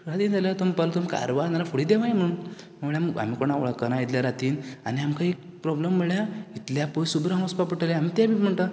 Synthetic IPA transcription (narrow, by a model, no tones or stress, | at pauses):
ɾat̪iːnd͡zaljat̪ɔməpalot̪ɔmka̰ɾʋanaɾafuɽiːd̪eʋajm̤əɳ̃uːn | m̤əmɭjaməɡa̰m̤iːkoɽɳaoɭəkːənait̪ljaɾat̪iːnaniamkaek̚ | pɾɔblemːəɭjait̪ljapojsubɾaɦɔ̃spapəʈʰəljaamiːt̪jabʱim̤əɳt̪a